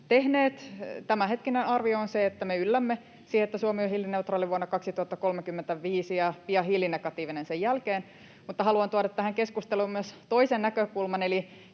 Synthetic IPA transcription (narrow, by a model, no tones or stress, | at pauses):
t̪ehneːt̪t̪æmæhet̪kinenɑrʋioonseet̪ːæmeylːæmːe | siːhet̪ːæsuomiohilːineut̪rɑːliʋuonːɑkɑksit̪uhɑt̪ːɑkolmekymːent̪æʋiːsijɑpiɑɦilːinekɑt̪iːʋinensejjælkeːn | mut̪ːɑhɑluɑnt̪uɑɾɑt̪ːæhæŋkeskust̪eluːmmyøst̪oisennækøkulmɑneli